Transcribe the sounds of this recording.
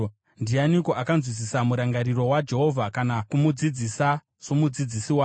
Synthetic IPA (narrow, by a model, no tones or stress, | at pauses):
ndianiko̞ʔakanzwis̬isamuɾaŋɡaɾiɾo̞wad͡ʒe̞ɦo̞vʱakanakumud͡zid͡zisa | somud͡zid͡zisiwaː